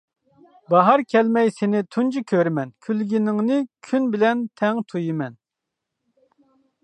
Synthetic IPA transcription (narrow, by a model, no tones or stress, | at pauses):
bɑɦɑɾkʲʰɛlmɛjsɪnɪt̪ʰund͡ʒʰikʲʰøɾmɛnkʲʰylɡʲinɪŋnɪkʲʰynbɪlɛnt̪ʰɛŋt̪ʰujimɛn